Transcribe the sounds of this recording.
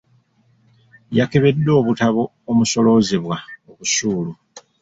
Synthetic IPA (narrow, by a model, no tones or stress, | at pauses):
jake̞βe̞dːo̞ːβutaβo̞ːmuso̞lo̞ziβwaoβusuːlu